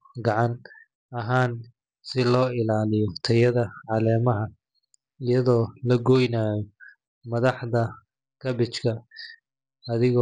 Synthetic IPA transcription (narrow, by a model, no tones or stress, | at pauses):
ɡɑʕɑn | ɐɦaːn | sɪlɔːɪlaːlɪjɔt̪ʰɐjɐðɐʕɑlɛːmɐɦɐ | ɪjɐðɔːlɐɡɔjnaːjɔ | mɐðɑħðɐ | kʰɐbɪt͡ʃkʰɐ | ɐðɪɣɔː